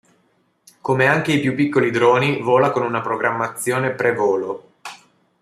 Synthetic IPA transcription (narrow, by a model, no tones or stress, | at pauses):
komeaŋk̟eipjupːikːolid̪ɾoːnivoːlakonunapɾoɡɾamːat̪sːjoːnepɾevoːlo